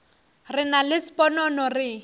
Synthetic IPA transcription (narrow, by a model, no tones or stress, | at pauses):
rɪnalɪsi̥pʼɔnɔnɔrɪ